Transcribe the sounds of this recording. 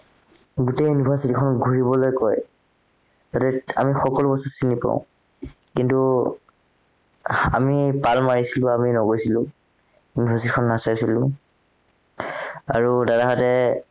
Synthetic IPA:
ɡutejunibʱasitikʰɔnɔɡʱuɹibɔlojkɔj | zatɛa̰mixɔkɔlʊbɔsɔtsinipã̰ʊ̃ | kintu | a̰mipalmaɹisilʊ̃aminɔɡojsilʊ̃ | unibʱasitikʰɔnːasajsilʊ̃ | a̰ɹudadaɦatɛ

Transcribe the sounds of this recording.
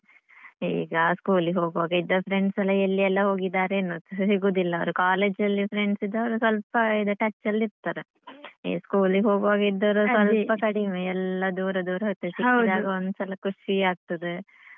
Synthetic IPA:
ḭːɡɐskuːliɦoːɡɐʋaːɡɐid̪ːɐpʰɾeɳɖsɐlːɐelːiɛlːɐɦo̞ːɡid̪ːaːɾeːnːoːsiɡud̪ilːɐɐʋɐɾukaːleːd͡ʒɐlːipʰɾeɳɖsid̪ːeɐʋɐɾusʋɐlpɐid̪uʈɐt͡ʃːɐlːiɾt̪aːɾe | ḭskuːliɦo̞ːɡɐʋaːɡɐid̪ːɐʋɐɾusʋɐlpɐkɐɽimeɛlːɐd̪uːɾɐd̪uːɾɐɦojt̪ɐsiwd̪aːɡɐond̪usɐlɐkuʂiaːɡ̚t̪ɐd̪e

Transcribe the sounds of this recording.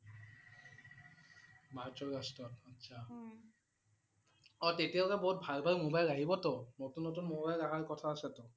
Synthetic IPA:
bʱaɹtɔastɹɔtɔtːsʰa | ɔtetiʊkaboɦut̚bʱalbʱalmobajlaɦibɔtonotunːotunmobajlaɦaɹkɔtʰaːsɛto

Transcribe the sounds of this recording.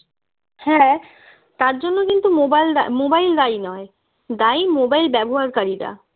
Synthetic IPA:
hɛ̃ | t̪aɾd͡ʑonːokint̪umobald̪amobajld̪ainɔe | d̪aimobajlbɛboɦaɾkaɾiɾa̰

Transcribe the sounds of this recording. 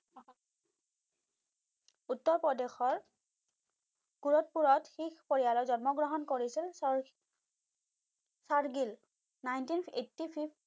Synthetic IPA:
utːɔɹpɹɔdexɔɹ | kuɹɔt̚puɹɔtxikpoɹijalɔzɔnmɔɡɹɔɦɔnkoɹisil | saɹɡil | najntinḛtːipʰib

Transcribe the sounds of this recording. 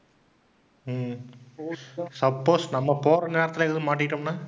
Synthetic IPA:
m | sɐpːoːsnɐmːɐpoːɾɐneːɾɐt̪ːɪlɛkɐðɯmaːʈːɪʈːɯmnaː

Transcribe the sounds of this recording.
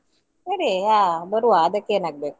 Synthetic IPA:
eɾeɦabəɾuaːd̪əkenak̚b̪e

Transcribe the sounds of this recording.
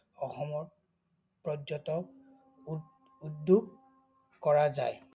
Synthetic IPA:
ɔxɔmɔɹ | pɹɔɔtɔk̚ | uduɡ | kɔɹaza̰j

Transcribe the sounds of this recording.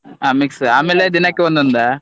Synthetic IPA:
aːmiksaːmeːled̪inɐkːeʋɐnd̪ɐnd̪a

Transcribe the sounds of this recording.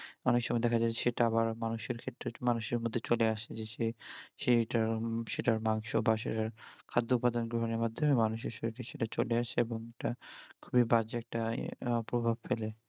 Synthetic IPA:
ɔnekʃɔmɔed̪ɛkʰad͡ʑaeʃeʈaabaɾmanuʃeɾkʰet̪ːɾemanuʃeɾmod̪ʱːet͡ɕoleaʃed͡ʑeʃeʃeʈaɾʃeʈaɾmaŋʃobaʃḛʈaɾkʰad̪ːoupːad̪onɡɾoɦoneɾmad̪ʱːomemanuʃeɾʃoʈiʃeʈat͡ɕoleaʃeeboŋeʈakʰubibad͡ʑeɛk̚ʈapɾobʱabfele

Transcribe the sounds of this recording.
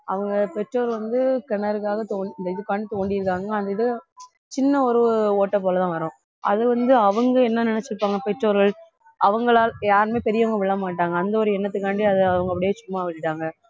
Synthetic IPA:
ɐ̰ʋɐŋɡɐpɛʈroːɾʋɐnd̪ɯkɐɳːɐɾɯkːaːɣɐt̪oːɳɐnd̪ɐɪðɯpːaːnit̪oːɳɖɪjɪɾɯkːaːŋɡɐaːnd̪ɐɪðɯ | t͡ʃɪnːɐɔɾɯoːʈːɐp̬oːlɐt̪ãːʋɐɾʊ̃ | ɐ̰ðɯʋɐnd̪ɯɐʋɐŋɡɐɛnːɐnɪnɛt͡ʃːɪɾɯpːaːŋɡɐpɛʈroːɾɣɐɭ | ʔɐʋɐŋɡɐɭaːljaːɾmeːpɛɾɪjɐʋɐŋɡɐʋɪɭːɐmaːʈːaːŋɡɐːnd̪ɐɔɾɯɛnːɐt̪̬ːɯkːaːɳɖiɐðɯɐʋɐŋɡɐp̬ːɐɽɪjeːt͡ʃʊmːaːʋɪʈːɯʈːaːŋɡɐ

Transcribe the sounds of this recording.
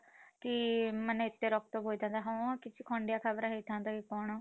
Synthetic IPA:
kimənːɪt̪ːeːɾɔːkt̪obɦoːid̪ãːnd̪aːɦõkɪt͡ʃʰiːkʰɔ̃ːɳɖjaːkʰəbɾaːɦet̪ʰːãːnd̪aːkikɔːɳaː

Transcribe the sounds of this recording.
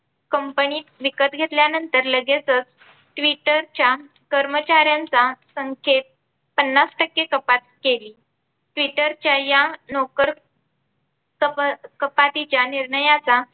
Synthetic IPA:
kəmpəniːt̪ʋikət̪ɡʱet̪ljanənt̪əɾləɡet͡sət͡s | ʈʋiʈəɾt͡ɕja | kəɾmət͡ɕaɾjant͡sasəŋkʰet̪̚ | pənːasʈəkːekəpat̪̚keliː | ʈʋiʈəɾt͡ɕjajanɔkəɾ | kəkəpat̪it͡ɕjaniɾɳəjat͡sa

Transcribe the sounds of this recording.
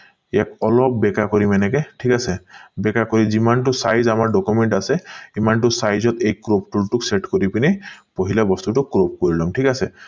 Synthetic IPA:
ekɔlɔpbekakɔɾimɛnekeʈʰikasebekakɔɾid͡ʒimanʈusajzamaɾɖɔkumeɳʈaseimanʈusajzɔt̪ejkɾop̚ʈulʈukseʈkɔɾipinipɔɦilabɔst̪uʈukɾop̚kɔɾilɔŋʈʰikase

